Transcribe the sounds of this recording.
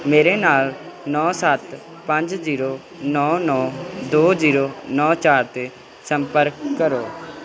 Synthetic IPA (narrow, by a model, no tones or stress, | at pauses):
meːɾeːnaːlnɔ̃ːsət̪ | pəɲd͡ʒziːɾoː | nɔːnɔːd̪oːziːɾoːnɔːt͡ʃaːɾt̪eː | səmpəɾkːəɾoː